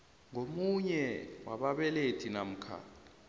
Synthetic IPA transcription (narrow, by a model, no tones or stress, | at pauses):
ŋomuɲɛwaɓaɓɛletʰinam̩kʰa̰